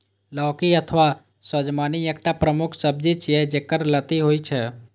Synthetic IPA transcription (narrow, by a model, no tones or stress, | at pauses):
lɔːkiət̪ʰʋa | səd͡ʒmaːniek̚ʈapɾəmukʰsəb̚d͡ʒit͡ʃjed͡ʒekəɾlət̪iɦoit͡ʃʰɛ